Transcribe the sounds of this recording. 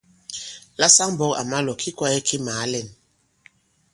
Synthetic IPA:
la˦sa˦ŋ˦bɔ˦ka̰˨ma˦lɔ˨kʰi˦kwa˦ɛ˦kʰi˦maː˨˦lɛ˨n

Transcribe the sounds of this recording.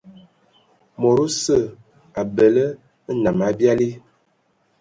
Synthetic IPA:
mo˨ɾu˦sə˦˨ | a˨bə˨lə˦ | na˨ma˦bja˦li˦

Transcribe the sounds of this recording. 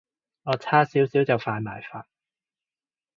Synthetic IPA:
ŋɔː˨˧t͡sʰaː˥siː˨˥wsiː˨˥wt͡sɐ˨˩wfaː˧nma̰ː˨˩jfaː˧n̚

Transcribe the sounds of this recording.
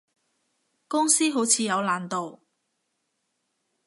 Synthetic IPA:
kʊ˥ŋsiː˥ɦo˨˥wt͡sʰiː˨˧jɐ˨˧wlaː˨˩nt̪o˨w

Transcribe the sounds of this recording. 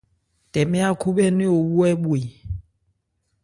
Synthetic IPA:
tɛ˨mɛ˦a˦kʰu˦ɓɛ˦ni˦o˨wu˦ɛ˦ɓwi˨

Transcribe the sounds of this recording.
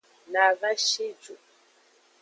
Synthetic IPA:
na˨βa˦ʃi˦d͡ʒu˨

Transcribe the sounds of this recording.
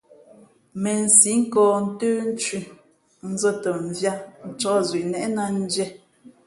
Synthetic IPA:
mɛ˨n̩˨si˨˦ŋ̩˦kɔː˨n̩˦təː˦n̩˦t͡ʃi˨ | n̩˦zə˦tə˨ɱ̩˨vja˦n̩˨t͡ʃɔ˦zɥi˨ʔnɛ˦ʔna˦n̩˦d͡ʒɛ˦

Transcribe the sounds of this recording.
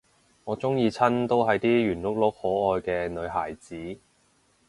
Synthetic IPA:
ŋɔː˨˧t͡sʊ˥ŋjiː˧t͡sʰɐ˥nt̪o˥wɦɐ˨jt̪iː˥jyː˨˩nlʊ˥k̚lʊ˨˥k̚hɔː˨˥ɔː˧jkɛː˧nɵ˨˧ɥɦaː˨˩jt͡siː˨˥

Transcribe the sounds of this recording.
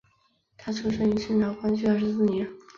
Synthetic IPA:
t̪ʰa˥t͡sʰu˧˥ʂə˥˩ni˧˥t͡s̩ʰ˥˩nɑ˧˥kwa˥nt͡ɕy˥ə˞˥˩ʂɻ̩˧˥sɹ̩˥˩njɛ˧˥n

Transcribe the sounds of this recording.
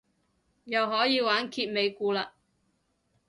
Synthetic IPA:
jɐ˨wɦɔː˨˥jiː˧waː˨˥nkʰiː˧t̚me˨˧jkuː˧laː˧

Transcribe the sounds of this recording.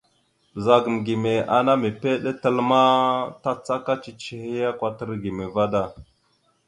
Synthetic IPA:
b̥ə˨za˨ɡə˨mɡi˨me˨a˨na˦me˨pe˦ɗe˦tə˦lma˦ta˦t͡sa˦ka˦t͡ʃi˨t͡ʃi˨he˦ja˦kʷa˦tə˦ɾɡi˨me˨va˦da˦˨

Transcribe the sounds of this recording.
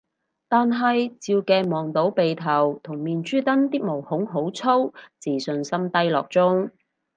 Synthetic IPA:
t̪aː˨nɦɐ˨jt͡siː˧wkɛː˧mɔː˨ŋt̪o˨˥wpe˨jt̪ʰɐ˨˩wt̪ʰʊ˨˩ŋmiː˨˧nt͡ʃyː˥t̪ɐ˥nt̪iː˥k̚mo˨˩whʊ˨˥ŋɦo˨˥wt͡sʰo˥wt͡siː˨˩sɵ˨˧nsɐ˥mt̪ɐ˥jlɔ̰ː˨k̚t͡sʊ˥ŋ

